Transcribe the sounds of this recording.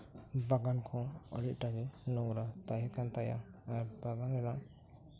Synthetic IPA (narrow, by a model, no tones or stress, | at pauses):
baɡankʰɔ̃ə̰ɽit̪̚ˀʈaɡɛnɔŋɾat̪ajakant̪aja̰ːɾbaɡanɾɛnaʔ